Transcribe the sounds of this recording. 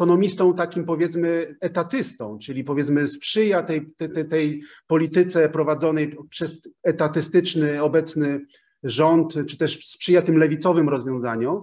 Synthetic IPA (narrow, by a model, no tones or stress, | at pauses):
kɔnɔmʲist̪ɔ̃w̃t̪akʲimpɔvʲjɛt̪smɘɛt̪at̪ɘst̪ɔ̰̃w̃t͡ʂɘlʲipɔvʲjɛt̪mɘspʂɘjat̪ɛj̪ɛɛt̪ɛj | pɔlʲit̪ɘt̪sɛpɾɔvad̪zɔnɛjpʂɛsɛt̪at̪ɘst̪ɘt͡ʂnɘɔbɛt̪snɘ | ʐɔnt̪ːt͡ʂɘ̥t̪ɛʂspʂɘjat̪ɘmlɛvʲit̪sɔvɘmɾɔzvjɔ̃w̃zaɲɔ